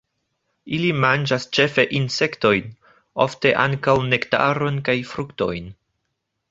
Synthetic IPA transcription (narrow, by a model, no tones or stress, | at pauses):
ilimand͡ʒast͡ʃe̞fe̞ʔinse̞kto̞jn | o̰fte̞ʔa̰ŋkawne̞kta̰ɾo̞nkajfɾukto̞̰jn